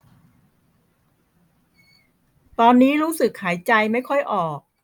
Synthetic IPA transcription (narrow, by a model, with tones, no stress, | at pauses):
t̪ɔː˧nːiː˦˥ɾuː˦˥sɯ˨˩k̚ʰhaː˩˦jt͡ɕa˧jma˥˩jkʰɔ˥˩jʔɔː˨˩k̚